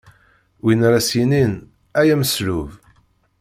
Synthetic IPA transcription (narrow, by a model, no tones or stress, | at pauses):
winɾæsinin | æjæməsluv